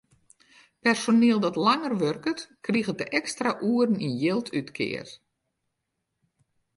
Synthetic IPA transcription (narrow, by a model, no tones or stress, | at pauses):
pɛrsonɪːəlˠdɔtlaŋərʋørkətkriɣət̚dəʔɛkstraʔuərn̩injɪlˠtʰytkʰɪ̰ːər